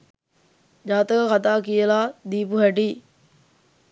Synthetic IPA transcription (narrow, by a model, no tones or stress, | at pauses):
d͡ʒaːt̪əkəkat̪aːkijəlaːd̪iːpuɦæɖiː